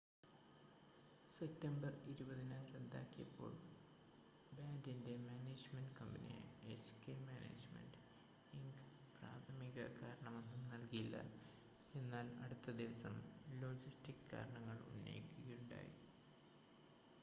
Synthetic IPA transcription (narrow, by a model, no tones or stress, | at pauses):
sep̚tːɐmbɐriɾubɐðinaːɾed̪ːaːkːijɐpːo̞̰ːɭ | baːndinde̞maːneːd͡ʑmɐnɖkɐmbɐnḭjɐ̰eskeːmaːnḛːd͡ʑmḛnɖ | iŋɡ | praːt̪ʰɐmiɣɐ̰kaːɾɐɳɐmo̞nːumnɐlkijilːɐ̰ | e̞nːaːlɐɽut̪ːɐd̪iʋɐsɐmlo̞ːd͡ʑistikkːa̰ːɾɐɳɐŋːɐɭṵnːḛjikʲːuɣɐjuɳɖa̰ːji